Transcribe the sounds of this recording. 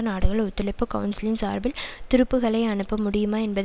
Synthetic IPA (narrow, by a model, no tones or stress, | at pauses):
naːɽɯɣɐɭt̪ːɪɭɐɪpːɯkɐʋʊnsɪlɪnsa̰ːɾbɪlt̪ɪɾɯpːɯɣɐɭɐɪɐɳɯpːɐmʊɽɪjɯmaːɛnbɐð